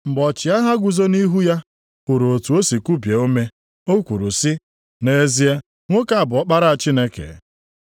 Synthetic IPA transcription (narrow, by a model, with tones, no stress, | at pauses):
m̩˨bɔ˨t͡ʃi˨a˦ɦa˦ɡʷʊ˨zo˦ni˦ɦu˦ja˦ | u˨ɾo˨o˨tu˨o˦si˨ku˦bje˨o˦me˦ | o˦kʷu˨ɾu˨sɪ˦ | ne˦e˦zi˦e˦ | ŋʷʊ˦ka˨a˨bʊ˨˦ɔ˦k͡pa˦ɾa˦a˨t͡ʃi˦ne˦kḛ˨